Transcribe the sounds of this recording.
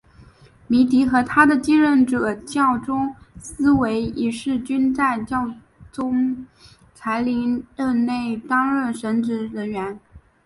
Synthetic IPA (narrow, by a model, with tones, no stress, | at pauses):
mi˧˥t̪i˧˥xɤ˧˥t̪ʰa˥d̪ə˨t͡ɕi˥ŋɻə˥˩nʈ͡ʂɤ˨˩t͡ɕjɑ˥˩ʊʈ͡ʂʊ˥ŋsɹ̩˥we˧˥ɪi˨˩ʂɻ̩˥˩t͡ɕy˥nt͡sa˥˧ɪt͡ɕjɑ˥˩ʊ | t͡sʊ˥ŋ | t͡sʰa˧˥ɪli˧˥ŋɻə˥˧nne˥˩ɪt̪ɑ˥ŋɻə˥˩nʂə˧˥nʈ͡ʂɻ̩˧˥ɻə˧˥nɥɛ˧˥n